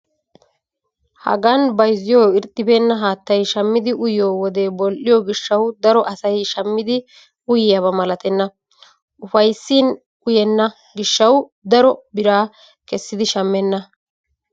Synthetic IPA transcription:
hɐ̰ɡɐnbɐjzːɪjo̞ːɪɾt̪ʼːɪbe̞ːnːɐɦaːt̪ːɐjʃɐmːɪd̪ɪʔʊjo̞ːwɔd̪e̞ːbɔlʔɪjoːɡɪʃːɐwd̪ɐɾɔʔɐsɐjʃɐmːɪd̪ɪ | ʊjɪjɐβɐmɐlɐt̪ɛnːɐ | ʔʊfɐjsːin | ʊjɛnːɐ | ɡɪʃːɐwd̪ɐɾɔbɪɾaː | kɛsːɪd̪ɪʃɐmːɛnːɐ

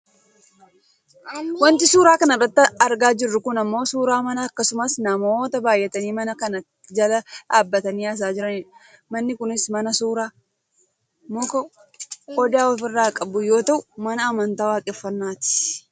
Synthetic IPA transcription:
wɐnt̪ɪsuːɾaːkɐnɪrːɐt̪ːɐɐɾɡaːd͡ʒɪrːʊkʊnɐmːo̞ːsuːɾaːmɐnɐːkːɐsʊmɐsnɐmo̞ːt̪ɐbaːjʔɛt̪ɐniːmɐnɐkɐnɐ | d͡ʒɐlɐᶑaːbːɐt̪ɐniːɐs̬aːd͡ʒɪɾɐnɪ | mɐnːɪkʊnɪsmɐnɐsuːɾaː | mɔkɔ | ɔd̪aːɔfɪrːaːkʼɐbʊjo̞ːt̪ɐʔʊmɐnɐɐmɐnt̪aːwaːkʼɛfːɐnːaːt̪ɪ̥

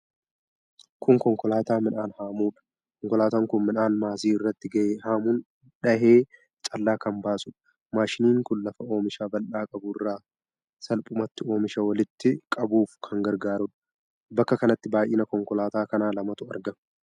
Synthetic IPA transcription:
kʊŋkɔŋkɔlaːt̪aːmɪnaːnhaːmuːᶑɐ̥ | kɔŋkɔlaːt̪aŋkʊnmɪnaːnmaːsiːɪrːɐt̪ːɪɡɐʔeːhaːmʊn | ᶑɐɦeː | t͡ʃʼɐlːaːkɐmbaːsʼʊᶑɐ̥ | maːʃɪniːŋkʊnlɐfɐo̞ːmɪʃaːbɐlʔaːkʼɐbʊɪrːaː | sɐlpʼʊmɐt̪ːɪo̞ːmɪʃɐwɐlɪt̪ːɪkʼɐbuːfkʰɐŋɡɐɾɡaːɾʊᶑɐ̥ | bɐkːɐkɐnɐt̪ːɪbaːjʔɪːnɐkɔŋkɔlaːt̪aːkɐnaːlɐmɐt̪ʊɐ̰ɾɡɐm

